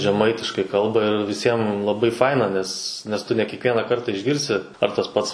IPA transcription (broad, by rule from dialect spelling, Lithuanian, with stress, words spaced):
ʒʲɛˈmɐɪtʲɪʃkɐɪ ˈkɐlˠbɐ ɪr ʋʲɪˈsʲiɛm lˠɐˈbɐɪ ˈfɐɪnɐ ˈnʲɛs nʲɛs ˈtʊ nʲɛ kʲiɛkˈʋʲiɛnɑː ˈkɐrtɑː ɪʒʲˈɡʲɪrʲsʲɪ ɐr tɐs ˈpɐts